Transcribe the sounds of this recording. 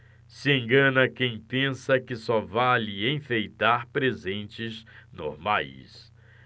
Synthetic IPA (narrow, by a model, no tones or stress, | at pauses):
sɪẽŋɡɐ̃nɐkẽj̃pẽsɐkɪsɔvalɪẽj̃fejt̪aɾpɾezẽnt͡ʃɪznʊ̰maḭs